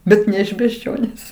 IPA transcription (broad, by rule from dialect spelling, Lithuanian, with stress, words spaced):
ˈbʲɛt nʲɛ ɪʃ bʲɛʒʲˈd͡ʒʲoːnʲeːs